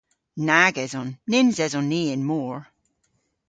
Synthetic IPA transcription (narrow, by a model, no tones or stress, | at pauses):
naɡɛzɔnːɪnzɛzɔnːiːɪnmɔːɹ